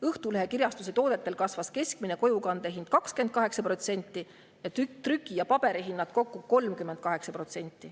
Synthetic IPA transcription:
ɤht̪uleɦe̞kirjɑst̪use̞t̪o̞ːd̪̥e̞t̪ːˑe̞lkɑsvɑske̞skmine̞ko̞jukɑnd̪̥e̞ɦind̪̥̚kɑkskent̪̚kɑɦe̞ksɑpro̞t̪se̞nʲt̪ːˑi | jɑt̪yt̪rykˑːijɑpɑb̥e̞ɾiɦinːɑt̪̚ko̞kːuko̞lmkyme̞nd̪̚kɑɦe̞ksɑpro̞t̪se̞nʲt̪ːˑi

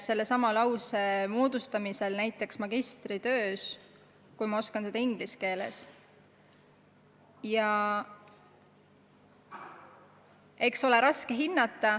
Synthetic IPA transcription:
se̞lːe̞sɑmɑlɑwse̞moːd̪̥ust̪ɑmise̞lnæjt̪ˑːe̞ksmɑɡist̪ɾit̪ø̞ːs | kujmɑo̞skɑnse̞d̪ɑiŋɡ̥liske̞ːle̞̰s | jɑ | e̞kso̞le̞ɾɑske̞ɦinːɑt̪ːˑɑ

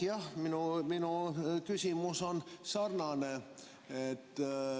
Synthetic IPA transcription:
jɑhminuminukysʲimuso̞nsɑrnɑne | et̪ː

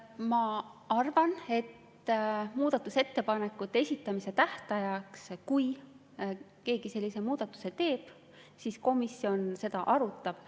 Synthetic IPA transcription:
mɑʔɑrvɑne̞t̪ː | muːd̪̥ɑt̪ːˑuse̞t̪ːe̞pɑne̞kːˑut̪ːˑeesʲit̪ˑːɑmise̞t̪æht̪ɑjɑkskuj | ke̞ːɡ̥ise̞lːise̞muːd̪̥ɑt̪ːˑu̥se̞t̪e̞ːb̥ | sisko̞misːjo̞nse̞d̪̥ɑʔɑɾut̪ˑːɑb̥

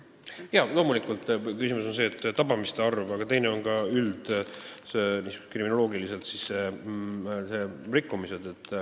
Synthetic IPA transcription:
jɑlo̞ːmulikˑult̪ːˑkysimuso̞nse̞ːt̪ːɑbɑmist̪eɑrvɑbɑɡ̥ɑt̪e̞jneo̞nkɑyld̪̥seniːsy̥ku̥krimino̞lo̞ːɡilise̞lt̪sisːe | serikːˑumiset̪et̪ːˑ

